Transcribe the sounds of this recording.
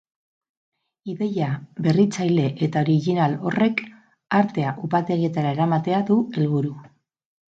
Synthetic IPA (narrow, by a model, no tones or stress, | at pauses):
iðe̞jaβe̞rit͡sajle̞ʔet̪ao̞ɾiɣinalo̞re̞k | aɾt̪e̞aʔupat̪e̞ɣie̞t̪aɾaeɾamat̪e̞aðue̞lβuɾu